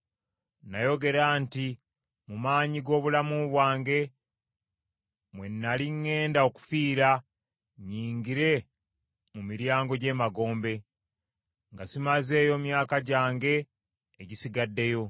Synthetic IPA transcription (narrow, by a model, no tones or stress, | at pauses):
najo̞ɡe̞ɾanti | mumaːɲiɡo̞ːβulamuβwaːŋɡe̞ | mwe̞nːaliŋːe̞ːndao̞ku̥fiːɾa | ɲiːŋɡiɾe̞ | mumiɾjaːŋɡo̞ɟe̞ːmaɡo̞ːmbe̞ | ŋɡasimaze̞ːjo̞mjaːkaɟaːŋɡe̞ː | ɟisiɡadːe̞jo̞